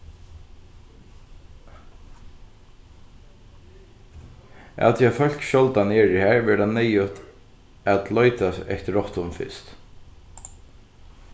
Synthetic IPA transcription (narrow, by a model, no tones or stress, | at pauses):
a̰t̪ʰiafœl̥kɕɔlt̪aneːɹɪhæːɹʋɛɾd̪anːɛjʊt̪ | æt̪lɔʏt̪asɛ̰ht̪ɹɔht̪ʊmfɪ̰st̪